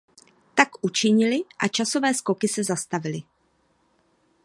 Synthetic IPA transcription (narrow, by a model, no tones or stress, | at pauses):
t̪akʔut͡ʃɪɲɪlɪʔat͡ʃaso̞vɛːsko̞kɪsɛzast̪avɪlɪ